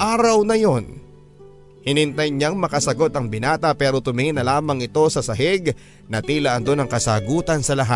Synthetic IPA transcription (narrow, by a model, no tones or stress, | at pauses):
ʔaːɾɐwnɐjo̞n | hɪnɪnt̪ɐjɲaŋmɐkɐsɐɡo̞t̪ɐŋbɪnaːt̪ɐpɛːɾo̞t̪ʊmɪŋɪnɐlaːmɐŋɪt̪o̞sɐsɐɦɪɡ | nɐt̪iːlɐʔɐnd̪o̞nɐŋkɐsaːɡuːt̪ɐnsɐlɐɦa̰t̪̚